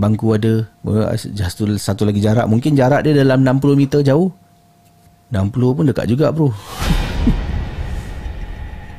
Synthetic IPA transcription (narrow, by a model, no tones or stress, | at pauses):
baŋkuadə̰ | d͡ʒast̪usat̪ulaɡid͡ʒaɾa̰ʔ̚muŋkɪnd͡ʒaɾaʔ̚diədalamnampulomit̪ərd͡ʒaʊh | nampulʊpʊndəka̰ʔd͡ʒuɡaʔbɾu